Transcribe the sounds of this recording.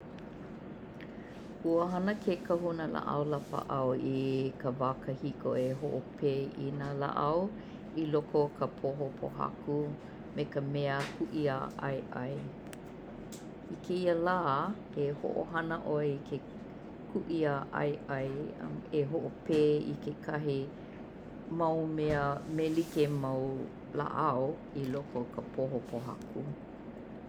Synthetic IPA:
huəɦɐnəkʰekʰɐɦunəla̰ʔɐ̰wlapə̰ʔɐwikəvakəhikʰoeɦoʔopʰeːinaːla̰ʔɐw | ilokʰokʰəpʰoɦopʰo̰ɦɐ̰ku | mekəmɛəhʰuʔia̰ʔɐ̰jʔɐ̰j | ikʰeiəlaː | eho̰ʔo̰ɦɐnəʔoeikʰe | kʰuʔiaʔɐ̰jʔɐj̰meɦoʔopeːḭkekʰɐɦi | mɐwmeəmelikemɐw | la̰ʔɐo | ilokʰokʰəpʰoɦopʰoɦa̰kʰu

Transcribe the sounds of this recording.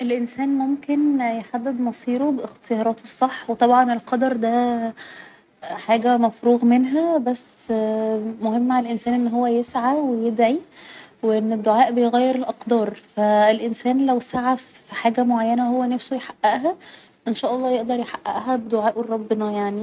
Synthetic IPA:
ʔelʔensæːnmomkenjeħad̪ːed̪mɑsˤiːɾobeʔext̪ejɑɾˤɑːt̪ʰosˤːɑħːwet̪ˤɑbʕɑnelqɑd̪ɑɾˤd̪æ | ħaːɡæmæfɾuːɣmenɦæbæsː | mohemːaʕaælʔensæːnʔenːɦowːæjesʕawejed̪ʕiweʔenːed̪ːoʕaːʔbejɣæjːeɾelʔɑqd̪ɑːɾˤfæelʔensæːnlæwsaʕafiħaːɡæmoʕajːænæhowːænæfsojħaʔːæʔɦæ | ʔenʃæːʔɑlˤːɑːjeʔd̪ɑɾˤjeħaʔːæ̰ʔɦæbed̪oʕaːʔerˤːɑbːenɑjaʕni

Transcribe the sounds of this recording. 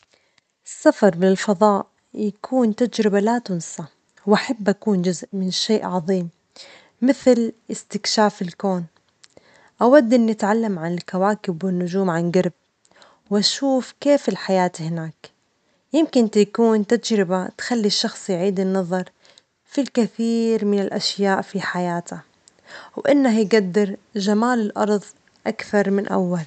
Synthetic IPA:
ʔɪsːafɑɾˤbɪlfɑðˤɑːʔ | jakʰuːnt̪ad͡ʒɾɪbalat̪ʊnsa | wʔaħabːʔakuːnd͡ʒʊzʔmɪnʃeːʔʕɑðˤiːmː | ɪθlɪst̪ɪkʃaːfɪlkoːn | ʔawad̪ːʔɪnːɪt̪ʕalːamʕanɪlkawaːkɪbwɪnːʊd͡ʒuːmʕanɡɑɾˤb̚ | wʔaʃuːfkeːfɪlħajaːt̪ihɪnaːk | jɪmkɪnt̪ajkuːnt̪ad͡ʒɾɪbat̪xalːiʃːɑxsˤjʕiːd̪ɪnːɑðˤɑɾˤ | filkɪθiːɾmɪnɪlʔaʃjaːʔfiħajaːt̪ʰa | wʔɪnːahjɡad̪ːɪɾʒamaːlɪlʔɑɾˤðˤ | ʔakθɑɾˤmɪnʔa̰wːal

